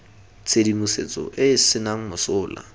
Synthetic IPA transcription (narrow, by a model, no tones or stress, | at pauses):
t͡sʼʰedimuset͡sʼɔ̰ʔɪsɪnaŋ̩mʊsʊːla̰